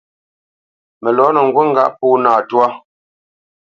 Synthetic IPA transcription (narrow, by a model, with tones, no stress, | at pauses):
mɛ˨lɔː˨˦nə˨ŋ̩˨ɡwə˦ŋ̩˦ɡa̰˦ʔpuː˦naː˨twa˦